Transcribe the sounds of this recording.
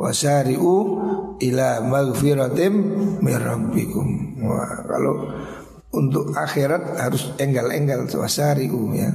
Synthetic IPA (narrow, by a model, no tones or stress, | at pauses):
wa̰saɾiʔu | ilamaɡfiɾat̪ɛmːɛɾambikumwa̰ka̰lɔ | unt̪ʊkaxɛɾat̪̚haɾusɛŋɡalɛ̰ŋɡalwa̰saɾiʔuja̰